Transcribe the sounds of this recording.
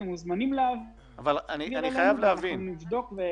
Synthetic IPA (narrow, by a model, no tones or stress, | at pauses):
emuzmanimlav | avalanianiχajavleavinmnivd̪o̞kve